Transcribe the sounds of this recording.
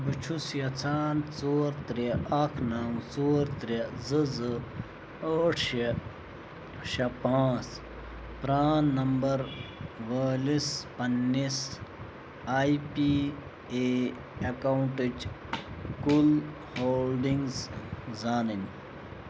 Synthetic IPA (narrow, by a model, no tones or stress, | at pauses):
bɨt͡ʃʰusjɐt͡sʰaːnt͡soːɾt̪ɾeɐkʰnaːwt͡soːɾt̪ɾezɨzɨ | oːʈʰɐ | ʃɐpaːt͡s | pɾaːnːɐmbɐɾʋəːlispɐnːis | aːipi | eː | ɐkauɳʈid͡ʒ | kul | hoːlɖiŋɡzzaːnin